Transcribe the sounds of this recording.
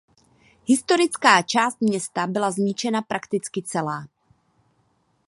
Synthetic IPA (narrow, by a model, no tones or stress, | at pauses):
ɦɪst̪o̞ɾɪt͡skaːt͡ʃaːst̪̚mɲɛst̪abɪlazɲɪt͡ʃɛnapɾʔakt̪ɪt͡skɪt͡sɛlaː